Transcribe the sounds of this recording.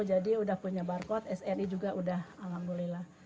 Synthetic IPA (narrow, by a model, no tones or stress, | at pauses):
d͡ʒadiudahpuɲabarkɔt̪ɛsɛnid͡ʒuɡaʔudahamɡulɛlah